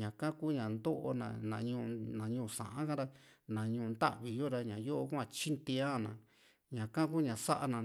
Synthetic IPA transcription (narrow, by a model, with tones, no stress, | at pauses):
ɲã˨kã˦ku˦ɲã˨nd̪o˦ʔo̰˧nã̰˧˨nã˨˧ɲũ˧nã˨ɲũː˧˨sã̰˨ʔã˦kã˦ɾa˦nã˨ɲũ˧nd̪a̰˦ʔβi˨jo˦ɾa˧ɲã˨jo˦ʔo˦kʷã˧˨t͡ʃi˦nt̪ĩ˧˦a˦˨nã˨ | ɲã˨kã˦kuː˦ɲã˨sa˦ʔa˧nã˨